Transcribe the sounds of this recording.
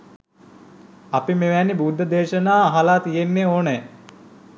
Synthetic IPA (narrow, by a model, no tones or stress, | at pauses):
ɐpimeʋænːibuːd̪ʱːəd̪eːʃənaːɦalaːt̪ijenːeoːnəj